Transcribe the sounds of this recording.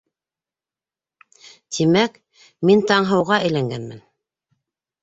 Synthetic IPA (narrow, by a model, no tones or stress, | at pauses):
t̪ʰimæk | mint̪ɑɴɦɤ̆wʁɑʔɘjlæŋɡænmɘ̰n